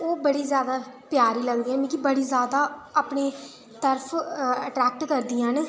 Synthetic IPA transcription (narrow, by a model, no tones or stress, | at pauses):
oːbəɽiːzjaːd̪aːpjaːɾiːləɡd̪iːãːmĩːkibəɽiːzjaːd̪aːaːpneː | t̪əɾpʰəʈɾɛːk̚ʈkəɾd̪iːãɦn